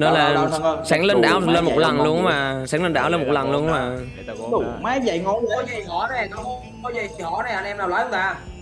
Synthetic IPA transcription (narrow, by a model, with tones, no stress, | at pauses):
nɔ˨˦laː˧˨˩saː˨˦ŋle˧nɗaː˨˩wle˧nmo˨˩t̚lə˨˩nlu˧ənmaː˨˩saː˧˦ŋle˧nɗaː˧˩wle˧mo˨˩lə˨˩nlu˧ən˦maː˨˩ | ɗʊ˨˩wmaː˨˦jzə̰˧˨jŋɔ˨˦˧ɔ˨˦zə˨˩jŋɔ˨˧˩nɛ˨˩nɔ˨˦˨ | kɔ˨˦zə˨˩jt͡ɕi˨˩hɔ˧˩˦nɛ˨˩˨ʔə˧nʔɛ˧mɗaː˧wlwaː˨˦jə˨˦t̪aː˧˩